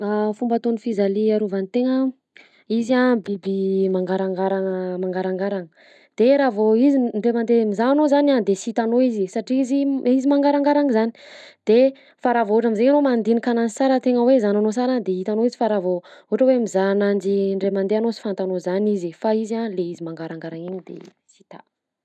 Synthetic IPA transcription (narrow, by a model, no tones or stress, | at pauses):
afumbat̪onifizaliaɾuvant̪eŋə | izabibimaŋɡaɾaŋɡaɾaŋəmaŋɡaɾaŋɡaɾaŋə | d̪̥eɾavoiziɳɖ͡ʐemand̪emizaanozanad̪esit̪anoizisaʈ͡ʂiiziizimaŋɡaɾaŋɡaɾaŋəzani̥d̪̥e | faɾavouʈ͡ʂamizeŋanomand̪inikananisaɾət̪eŋəwezananosaɾad̪eɦit̪anoizifaɾavouʈ͡ʂəwemizanand͡ʒiɳɖ͡ʐemand̪eanosi̥fant̪anozanizifaizaleizimaŋɡaɾaŋɡaɾaŋiɲid̪ḛ | si̥t̪a̰